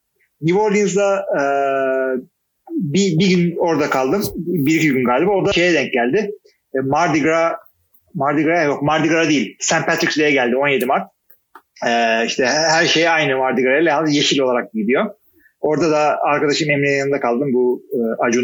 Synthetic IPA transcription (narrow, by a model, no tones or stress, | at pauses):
niboɾlinzd̪aɯ | bibiɡyno̞ɾd̪akʰalˠd̪ɯmbiɾicʰiɟynɡaːlʲibaoɾd̪aʃe̞jɛd̪ɛɲc̚ɟælʲd̪ɪ | maɾd̪iɡɾa | maɾd̪iɡɾaɛjokmaɾd̪iɡɾad̪ejilʲsænpat̪ɾikslʲejɛɟælʲd̪io̞nje̞d̪imaɾt̪̚ | ɛːiʃt̪ʰɛhæɾʃe̞jajnɯmaɾd̪iɡɾajlʲajand̪ɯje̞ʃilʲo̞lˠaɾak̚ɟid̪ijo̞ | o̞ɾd̪ad̪aaɾkad̪aʃɯmɛmlijnd̪akʰalˠd̪ɯmbuɯːʔad͡ʒun